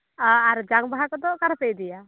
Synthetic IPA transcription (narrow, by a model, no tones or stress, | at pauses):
aaɾd͡ʒaŋbaɦakɔd̪ɔʔkaɾpɛjd̪ɛja